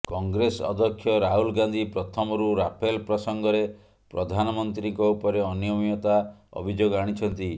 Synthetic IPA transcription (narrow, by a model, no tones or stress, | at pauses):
kɔŋɡɾesɔ̰d̪ʱɔkʰːjɔɾaɦulɡand̪ʱipɾɔt̪ʰɔmɔɾuɾapʰelpɾɔsɔŋɡɔɾe | pɾɔd̪ʱanɔmɔnt̪ɾiŋkɔupɔɾeɔnijɔmiɔt̪aɔ̰bʱid͡ʒoɡɔaɽ̃it͡ʃʰɔnt̪i